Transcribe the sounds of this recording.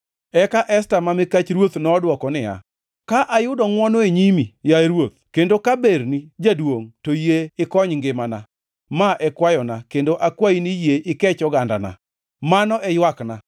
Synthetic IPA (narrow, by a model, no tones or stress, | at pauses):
ɛkaʔɛstamamɪkat͡ʃɾwot̪nɔːdwɔkɔnɪja̰ | kaʔajʊdɔŋwɔnoeɲimijaɾwot̪̚kendokabernid͡ʒadwoŋtojeɪkɔɲŋɡɪmana̰ | maʔɛkwajɔnakendoʔakwainijeʔɪkɛt͡ʃɔɡanda̰na̰ | manɔʔɛjwakna